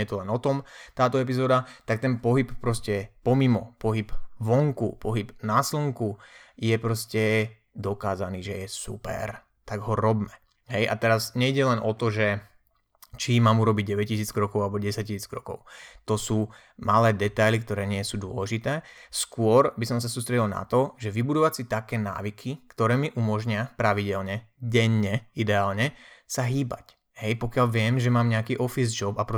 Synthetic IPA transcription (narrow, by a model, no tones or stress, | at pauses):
jɛt̪ɔlɛnɔt̪ɔmt̪aːt̪ɔɛp̬izɔːd̪at̪akt̪ɛnpɔɦippɾɔscɛpɔmimɔpɔɦipʋɔŋkṵpɔɦibnaslɔŋkujɛpɾɔscɛ | d̪ɔkaːzaniːʒɛjɛsṵpɛ̰ɾ | t̪aɡɦɔɾɔbmɛ | ɦɛjʔa̰t̪ɛɾazɲɛiɟɛlɛnʔɔt̪ɔʒɛ | t͡ʃimaːmuɾɔbiɟ̚ɟɛʋɛc̚cisiːt͡skɾɔkɔʊalɛbɔɟɛsac̚cisiːt͡skɾɔkɔ̰ʊt̪ɔsuː | malɛːd̪ɛt̪ajlikt̪ɔɾɛːɲɪɛsuːd̪ʊɔ̰lɛʒit̪ɛːskʊɔɾbisɔmsasuːst̪ɾɛɟilna̰t̪ɔʒɛʋibud̪ɔʋat͡sit̪akɛːna̰ːʋikʰikt̪ɔɾɛːmiʔumɔʒɲɪapɾaʋiɟɛlɲɛɟɛɲːɛid̪ɛaːlɲɛsaɦiːba̰c | ɦɛjpɔkɪalʋɪɛmʒɛmaːmɲɛakiːʔɔfizd͡ʒɔbapɾɔ